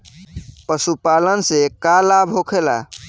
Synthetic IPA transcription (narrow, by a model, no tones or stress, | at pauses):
pəsupalənsekalabʱɦokʰela̰